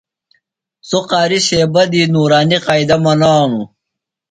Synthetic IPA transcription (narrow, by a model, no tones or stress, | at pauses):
soqaːɾiɕeːbɐd̪iːnuːɾaːniqaːid̪ɐmɐnaːnu